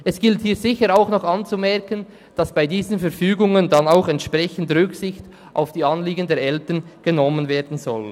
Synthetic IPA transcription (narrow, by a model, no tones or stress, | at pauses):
ʔɛsɡ̥ɪlthiːzɪçəɾaʊxnɔχɑnt͡sumɛɐkən | d̥ɑsb̥aɪdiːzənfɛɾfyːɡʊŋəndanaʊxɛntʃpʁ̥ɛçən̩dʁʏksɪçt | ʔa̰ʊfd̥iːɑnliːɡən̩deːɐɾʔɛltənɡ̥ənɔmənveːdn̩zɔl